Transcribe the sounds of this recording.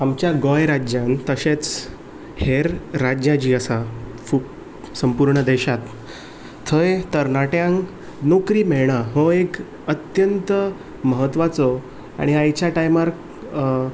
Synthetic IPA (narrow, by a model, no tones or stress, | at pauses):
amt͡ɕjaɡɔjɾad͡ʑjãnt̪əɕet͡s | heɾːad͡ʑjãd͡ʑiːəsa | kʰuːp | səmpuɾɳəd̪eɕat̪ʰː | əet̪əɾnaʈjãŋɡ | nokɾiːmeɭɽ̃aɦoek | ət̪jənt̪ə | məɦət̪ːʋat͡sɔ | a̰ɽ̃iajt͡ɕjaʈajmaɾ